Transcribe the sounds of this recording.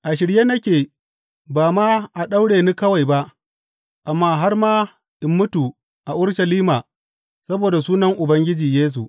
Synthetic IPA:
ʔa˨ʃ̬ɪ˨ɽje˦nɐ˦kʲeː˨ | baː˨maː˦ʔa˨ɗa˦wɽeː˨niː˦kɐ˦wa˨jba˦ʔ | ʔa˨mːaː˦ɦa˦rmaː˦ | ʔɪ˨mːʊ˦tu˨ | ʔa˨ʔʊ˦ɽʃɐ˨liː˦maː˨ | sɐ˦boː˨da˨suː˦nɐ˦ŋʔʊ˨bɐ˦ŋɡʲɪ˦d͡ʒiː˨jeː˦s̬u˨ʔ

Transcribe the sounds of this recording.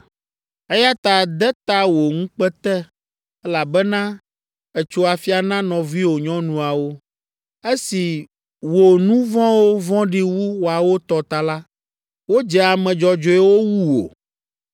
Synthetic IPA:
e˦ja˦t̪a˨d̪ɛ˦t̪a˦wo˨ŋũ˦k͡pɛ˦t̪ɛ˦ | ɛ˦la˨bɛ˦nã˦ | ɛ˨t͡ʃo˨a˨fi˦a˨nã˦nɔ̃˨vi˦wo˨ɲɔ̃˦nũ˨a˨wo˦ | e˦si˨ | wo˨nũ˦vɔ̃˦wo˦vɔ̃˦ɖi˦wu˦wo˨a˨wo˦t̪ɔ˨t̪a˨la˦ | wo˦d͡ʒɛ˨a˨mɛ̃˨d͡ʒɔ˨d͡ʒo˦ɛ˦wo˦wu˦wo̰˨

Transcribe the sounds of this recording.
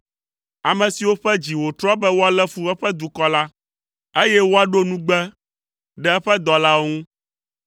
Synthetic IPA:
a˨mɛ̃˨si˨wo˦ɸɛ˦d͡ʑi˨wo˨t̪ɾɔ˦bɛ˦wo˦a˨lɛ˦fu˦ɛ˦ɸɛ˦d̪u˨kɔ˦la˦ | e˦jɛ˦wo˦a˨ɖo˦nũ˦ɡ͡bɛ˦ | ɖɛ˦ɛ˦ɸɛ˦d̪ɔ˨la˦o˦ŋũ˦

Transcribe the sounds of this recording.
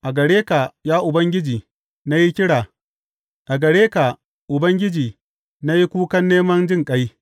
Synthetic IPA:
ʔa˨ɡɐ˨ɽeː˦ka˨jaː˦ʔʊ˨bɐ˦ŋɡʲɪ˦d͡ʒiː˨ | na˦ji˦kʲɪ˦ɽaː˨ | ʔa˨ɡɐ˨ɽeː˦ka˨ | ʔʊ˨bɐ˦ŋɡʲɪ˦d͡ʒiː˨ | na˦ji˦kʷuː˦kɐ˦nːeː˦mɐ˦nd͡ʒɪ˦ŋkʼa˦j

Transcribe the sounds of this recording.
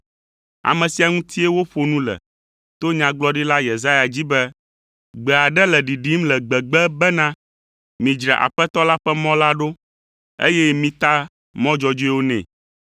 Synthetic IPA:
a̰˨mɛ̃˨si˨a˨ŋũ˦t̪ʰi˦e˦wo˦ɸo˨nũ˦lɛ̰˨ | t̪o˦ɲã˨ɡ͡blɔ˦ɖi˦la˦je˨za˦ja˨d͡ʑi˦bɛ˦ | ɡ͡bɛ˨a˨ɖɛ˦lɛ˨ɖi˨ɖi˦mlɛ˨ɡ͡bɛ˨ɡ͡bɛ˦bɛ˦nã˦ | mĩ˨d͡ʒɾɛ˨ʔa̰˨ɸɛ˦t̪ɔ˦la˦ɸɛ˦mɔ̃˦la˦ɖo˦ | ḛ˦jɛ˦mĩ˨˦t̪a˦ | mɔ̃˦d͡ʒɔ˨d͡ʒi˦wo˦nɛ̰̃˨

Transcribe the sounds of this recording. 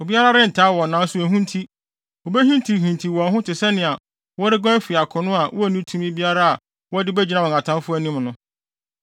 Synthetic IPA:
o˨bi˦a˦ɾa˦ɾɪ˦n̩˨tʰaː˨˦wɔ˨nãː˨˦sʊ˦æ˨ɦũ˦n˦tʰi˦ | o˨bɛ˦ɦĩ˦ntʰi˨ɦĩ˨ntʰi˨wɔ̃˨nɦʊ̃˦tʰɪ˨sɛ˦nɪ̃˨a˨ | wɔ˦ɾɪ˦ɡã˦fi˨a˨kʰʊ̃˨nʊ̃˦a˨wʔɔ˦æ˦˨nĩ˦tʰũ˦mĩ˦bi˦a˦ɾa˦a˨ | wɔ˦dɪ˦bæ˦d͡ʑi˨nã˦wɔ˨a˨tʰã˦fʊ˦æ˦nĩ˦mnʊ̃˦

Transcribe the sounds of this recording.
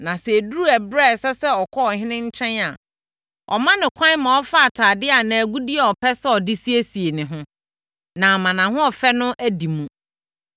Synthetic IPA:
nã˨sɛ˨du˦ɾu˦æ˨bɾɛ˦˨sɛ˦sɛ˦ɔ˨kʰɔ˦ɔ˨ɦɪ̃˦nɪ̃˦ɲ̩˦t͡ɕʰɛ̃˦na˨ | ɔ̰˨mã˦nɪ̃˨kʷʰã˦nmã˨ɔ˦fa˦a˨tʰaː˨dɪ˦a˨nã˨æ˨ɡu˦di˦ɛ˨ɔ˨pʰɛ˦sɛ˦ɔ˨dɪ˦si˦e˦si˨e˨nɪ̃˨ɦʊ̃˦ | nã˨mã˨nã˨hʊ̃˦ɔ˨fɛ˦nʊ̃˦ʔæ˦di˨mũ˦

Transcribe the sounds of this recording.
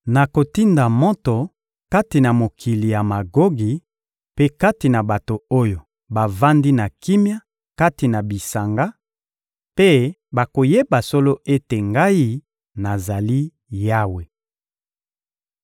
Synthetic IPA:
na˨ko˨ti˦nda˨mɔ˦to˨ | ka˦ti˨na˨mo˨kʰi˨li˨ja˨ma˨ɡo˦ɡi˨ | pe˦ka˦ti˨na˨ba˨to˨o˦jo˨ | ba˨va˦ndi˦na˨ki˦mja˦ | ka˦ti˨na˨bi˨sa˨ŋɡa˦ | pe˦ | ba˨ko˨je˦ba˨so˦lo˦e˦te˨ŋɡa˦ji˦ | na˨za˨li˦ | ja˦we˨

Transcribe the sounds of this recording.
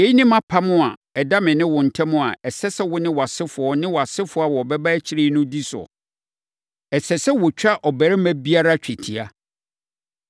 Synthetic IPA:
je˨˦i˦nĩ˦mã˦pʰa˦mʊ̃˦a˨ɛ˨da˦mɪ̃˨nɪ̃˦wʊ̃˨n̩˨tʰɛ˦mʊ̃˦a̰˨ɛ˨sɛ˦sɛ˦wʊ˦nɪ̃˦wɔ˨a˨sɪ˦fʊ˨ɔ˨nɪ̃˦wɔ˨a˨sɪ˦fʊ˦a˨wɔ˨bɛ˦ba˦t͡ɕʰi˦ɾe˦˨˦nʊ̃˦di˦sʊ̰˨ | ɛ˨sɛ˨sɛ˦wʊ˨t͡ɕᶣa˦ʔɔ˨bæ˨ɾɪ˦mæ̃˦bi˦a˦ɾa˦t͡ɕᶣʰɛ˨tʰi˨a˨

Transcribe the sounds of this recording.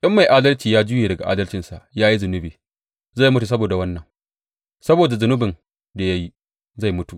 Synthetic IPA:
ʔɪ˦mːa˨jʔaː˦dɐ˦lt͡ʃiː˨jaː˦d͡ʒʊ˦jeː˨dɐ˨ɡa˨ʔaː˦dɐ˦lt͡ʃɪ˨nsa˨ʔjaː˦ji˦zʊ˨nʊ˦biː˨ | za˦˨jmʊ˦tu˨s̬ɐ˦boː˨da˨wɐ˦nːɐ˨ŋ | sɐ˦boː˨da˨zʊ˨nʊ˦bɪ˨n | da˨ja˦ji˦ | za˦˨jmʊ˦tu˨ʔ

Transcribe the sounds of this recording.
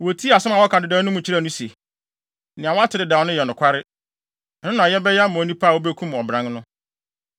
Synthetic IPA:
wo˨tʰi˦˨a˨sʊ̃˦ma˨wɔ˦kʰa˨dɪ˨dã˨˦nʊ̃˦mũ˨t͡ɕʰi˦ɾa˦˨nʊ̃˦se˨ | nɪ̃˨ã˨wɔ˦a˦tʰɪ˨ɾɪ˨da˨nʊ̃˦jɛ˨nʊ̃˨kʷʰa˦ɾɪ˦˨ | nʊ̃˦nã˨jɛ˦bɛ˦jɛ˦a˦mʊ̃˨˦nĩ˦pʰa˦˨wo˦be˦kʰũ˦m˨ɔ˨bɾã˨˦ŋnʊ̃˦

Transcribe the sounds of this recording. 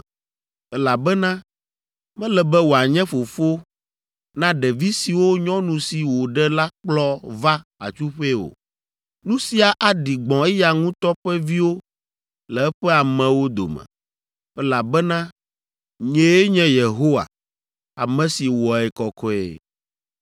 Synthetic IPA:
ɛ˦la˨bɛ˦nã˦ | mɛ̃˦lɛ˨bɛ˦wo˨a˨ɲɛ̃˦fo˨fo˦ | nã˦ɖɛ˨vi˦si˨wo˦ɲɔ̃˦nũ˨si˨wo˨ɖɛ˦la˦k͡plɔ˦va˦a̰˨t͡ʃu˦ɸe˦wo̰˨ | nũ˦si˨a˨ʔa˨ɖi˨ɡ͡bɔ̃˨ɛ˦ja˨ŋũ˦t̪ɔ˦ɸɛ˦vi˦wo˦ | lɛ˨ɛ˦ɸɛ˦a˨mɛ̃˨wo˦d̪o̰˨mɛ̰̃˨ | ɛ˦la˨bɛ˦nã˦ | ɲɛ̃˨˦je˦ɲɛ̃˦je˨ɦo˦wa̰˨ | a̰˨mɛ̃˨si˨wɔ˨ɛ˨kɔ˨kɔ˦ɛ̰˨

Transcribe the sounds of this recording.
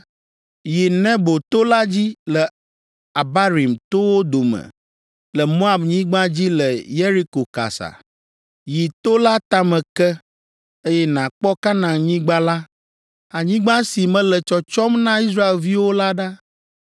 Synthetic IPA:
ji˨nɛ̃˦bo˨t̪o˦la˦d͡ʑi˦lɛ˨ | a˨ba˦ɾi˨mt̪o˦wo˦d̪o˨mɛ̰̃˨ | lə˨mo˦a˨bɲĩ˦ɡ͡bã˦d͡ʑi˦lə˨je˦ɾi˦ko˨ka̰˨sa̰˨ | ji˨t̪o˦la˦t̪a˦mɛ̃˨kɛ˦ | e˦jɛ˦nã˨k͡pɔ˦ka˦nã˨ɲĩ˦ɡ͡ba˦la˦ | a˨ɲĩ˦ɡ͡bã˦si˨mɛ̃˦lə˨t͡ʃɔ˨t͡ʃɔ˦mnã˦i˦s̬ɾa˦e˨lvi˦wo˦la˦ɖa˦

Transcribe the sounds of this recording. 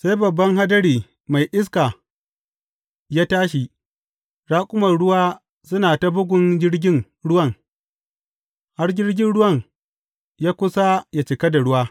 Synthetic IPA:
sa˦jbɐ˨bːɐ˦ŋɦa˦dɐ˦ɽiː˨ | ma˨jʔɪ˦s̬kaː˨ | jaː˦taː˦ʃ̬i˨ | ɽaː˦kʷʼʊ˦mɐ˨rɽʊ˦waː˦ | sʊ˦naː˨ta˦bʊ˦ɡʷʊ˨nd͡ʒɪ˦ɽɡʲɪ˦ŋ | ɽʊ˦wɐ˦˨ŋ | ha˦rd͡ʒʲɪ˦ɽɡʲɪ˦nɽʊ˦wɐ˦˨ŋ | jaː˦kʷʊ˦sa˦ja˨t͡ʃɪ˨kɐ˦da˨ɽʊ˦waː˦

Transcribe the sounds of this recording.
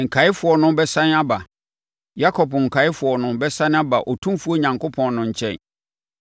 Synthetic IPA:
ŋ̩˨kʰa˨˦ɪ˦fʊ˨ɔ˨nʊ̃˦bɛ˦sã˦n˦a˦ba˨ | ja˦kʰɔ˨bŋ̩˨kʰa˨ɪ˦fʊ˨ɔ˨nʊ̃˦bɛ˦sã˦n˦a˦ba˨ʔɔ˨tʰũ˦fu˦ɔ˦ɲã˨ŋko˦pʰɔ̃˨nnʊ̃˨ɲ̩˨t͡ɕʰɛ̰̃˦˨n

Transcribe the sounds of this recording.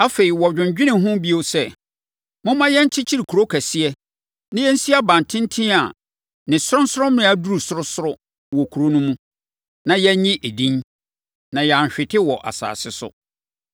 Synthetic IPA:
a˦fe˨i˨wɔ˨d͡ʑᶣɪ̃˨ɲ˨d͡ʑᶣɪ˦nɪ̃˨ɦʊ̃˦bi˦o˦sɛ˦ | mʊ̃˦mã˦jɛ˦ɲ̩˦t͡ɕʰɪ˦t͡ɕʰi˦ɾi˨kʰu˨ɾo˦kʰæ˨sɪ˦ɛ˦ | nɪ̃˦jɛ˦n̩˦si˦a˦bã˨ntʰɪ̃˦n˦tʰĩ˦a˨ | nɪ̃˨sʊ˦ɾʊ̃˦n̩˦sʊ˦ʊ˦m˦ɪ̃˦a˨du˦ɾu˨sʊ˦ɾʊ˦sʊ˦ɾʊ˦ | wɔ˨kʰu˨ɾo˦nũ˦mũ˦ | nã˨jɛ˦ɲɪ̃˦ʔe˨dĩ˦n | nã˨ja˨ɲ˨ɕᶣɪ˨tʰɪ˦wɔ˨ʔa̰˨sa̰ː˨sɪ˦sʊ̰˦

